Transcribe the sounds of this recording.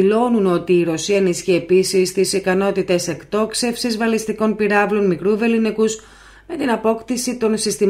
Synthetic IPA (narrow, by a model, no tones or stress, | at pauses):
lo̞nuno̞t̪iːɾo̞siɐenisçie̞pisist̪isikɐno̞t̪it̪e̞se̞kt̪o̞kse̞fsizvɐlist̪iko̞npiɾɐvlo̞nmikɾuve̞linekus | me̞t̪inɐpo̞kt̪isit̪o̞nsist̪im